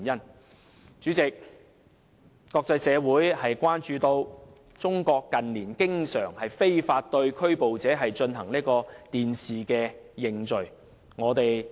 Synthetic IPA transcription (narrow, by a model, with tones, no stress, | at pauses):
njɐ˥n | t͡ʃyː˨˥t͡sɪ˨k̚ | kːɔː˧k̚t͡sɐ˧jsɛː˨˧wuː˨˥jhɐ˨jkʷaː˥nt͡ʃyː˧t̪o˧w | t͡sʊ˥ŋkɔː˧kːɐ˨nliː˨˩nkɪ˥ŋsœ̰ː˨˩ŋhɐ˨jfe˥jfaː˧t̚t̪ɵ˧ɥkʰɵ˥ɥpo˨wt͡sɛː˨˥ɦɐ˨jt͡ʃɵ˧nɦɐ˨˩ŋliː˥kɔː˧t̪iː˨nsiː˨kɛː˧jɪ˨ŋt͡ʃɵ˨ɥ | ŋɔː˨˧t̪e˨j